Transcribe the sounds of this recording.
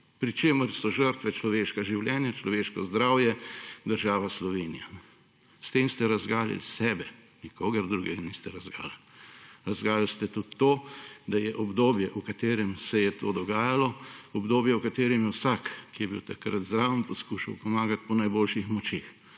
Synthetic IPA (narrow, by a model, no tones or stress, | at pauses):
pɾit͡ʃeːməɾsɔʒəɾt̪ʋɛt͡ʃlɔʋeːʃkaʒiwljɛnjat͡ʃlɔʋeːʃkɔzd̪ɾaːwjɛd̪əɾʒaːʋaslɔʋeːnija | st̪emst̪ɛɾazɡaːlḭlsɛːbɛ | nikʰoːɡəɾd̪ɾuːɡɛɡanist̪ɛɾazɡa̰ːl | ɾazɡaːlilst̪ɛt̪ut̪ːoːd̪ajɛʔɔbd̪oːbjɛʔukat̪eːɾɛmsɛjɛt̪oːd̪ɔɡaːjalɔɔbd̪oːbjɛukat̪eːɾɛmjɛwsakkːijɛbiwt̪akɾat̪zd̪ɾaːʋəmpɔskuːʃawpɔmaːɡat̪̚pɔnajboːlʃixmɔt͡ʃeːx